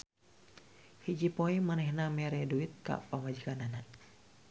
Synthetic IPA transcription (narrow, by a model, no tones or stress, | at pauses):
hid͡ʒipoimanɛhnamɛɾɛduit̪̚ka̰pamwad͡ʒikanana